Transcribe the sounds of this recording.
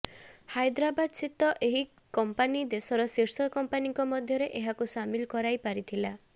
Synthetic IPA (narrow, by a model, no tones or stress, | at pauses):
hajd̪ɾabad̪t͡ʃʰit̪ɔʔeɦi | kɔmpanid̪esɔɾɔseɾsɔkɔmpaniŋkɔmɔd̪ʱjɔɾeʔeɦakusamilkɔɾajpaɾit̪ʰila